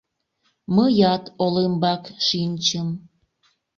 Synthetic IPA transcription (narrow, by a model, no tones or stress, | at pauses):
məjɑt̪olembɑkʃinʲt͡ɕəm